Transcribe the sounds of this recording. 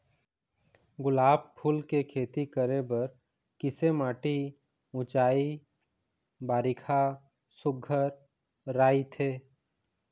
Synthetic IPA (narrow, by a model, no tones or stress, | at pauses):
ɡʊlaːb̚pʰʊlkekʰeːt̪ikəɾebəɾ | kɪsemaːʈi | ʊ̃t͡ʃaːi | baːɾɪkʰa | sʊɡʱəɾː | aːit̪ʰeː